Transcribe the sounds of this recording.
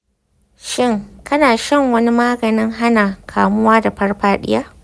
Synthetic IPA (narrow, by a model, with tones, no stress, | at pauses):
ʃɪ˦ŋkɐ˦naː˨ʃɐ˦˨ŋwɐ˦ni˦maː˦ɡɐ˨nɪ˦ŋɦa˦naː˨kʰaː˨mʊ˦waː˦da˨ɸɐ˦rɸaː˦ɗɪ̰˦jaː˦